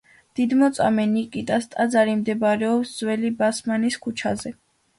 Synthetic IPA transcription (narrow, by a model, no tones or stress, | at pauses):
d̪̥id̪mɔt̪sʼa̰mɛnikʼit̪ʼast̪ʼad̪zaɾimd̪ɛbaɾɛɔpsz̥wɛlibasmaniskʰut͡ʃʰa̰zɛ